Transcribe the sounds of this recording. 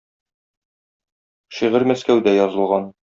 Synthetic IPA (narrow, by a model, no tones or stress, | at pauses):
ʃiʁɘɾmæskæwd̪æjɒzɤ̆lˠʁɑn